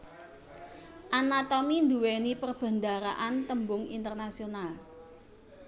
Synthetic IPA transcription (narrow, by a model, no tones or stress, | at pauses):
ʔanat̪omind̪uwenipərb̥a̤nd̪aɾa̰ʔant̪əmbʊŋḭnt̪ərnasional